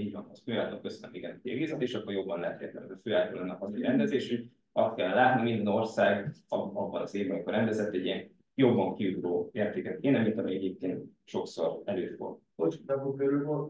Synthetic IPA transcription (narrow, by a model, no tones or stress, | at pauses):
iːɟvɒnɒsføːaːlt̪okːøsønømiɡɛnɒkiɛɡeːzɛt̪eːʃɒkːorjo̞bːɒnlɛɦɛt̪hḛːt̪lɛ̰mɛzɒføːaːlt̪ɒlɛnːɛɦɒzuiɾɛnd̪ɛzeːʃy | ɒst̪kɛlːɛlaːt̪nimind̪ɛno̞rsaːɡɒɒbːɒnɒzeːvbɒmiko̞rɛnd̪ɛzɛt̪ːɛɟːiɛn | jo̞bːɒŋkiuɡɾoːeːrt̪eːkɛt̪eːnɛmint̪ɒmiɛɟeːp̚keːnt̪ | ʃo̞kso̞̰ɾɛløːfo̰rt̪ | ot͡ʃiɒbokøɾylvolt̪